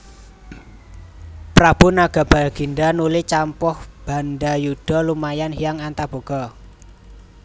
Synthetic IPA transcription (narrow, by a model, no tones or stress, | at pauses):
pɾab̥ṳnaɡ̥a̤b̥a̤lɡ̥i̤nɖanulit͡ʃampɔhb̥a̤nɖajuɖ̥ɔ̤lumajanhijaŋant̪ab̥o̤ɡ̥ɔ